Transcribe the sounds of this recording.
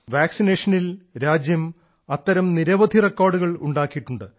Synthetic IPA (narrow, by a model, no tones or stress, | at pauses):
ʋaːksineːʂɐnilɾaːd͡ʑjɐm | ɐt̪ːɐɾɐmniɾɐʋɐd̪ʱirekːoːrɖuɣɐɭṵɳɖaːkːijiʈːuɳɖɨ